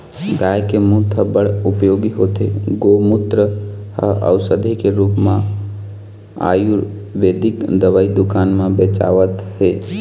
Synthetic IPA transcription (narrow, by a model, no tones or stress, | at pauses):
ɡaːjkemũt̪ʰəbəɽʊpjoːɡiɦoːt̪ḛɡomʊt̪ɾəhəə̰ʊsəd̪ʱikeɾuːpmã | a̰ːju | ʋeːd̪ɪkd̪əʋaːid̪ʊkaːnmãbeːt͡ʃa̰ːʋət̪ɦeː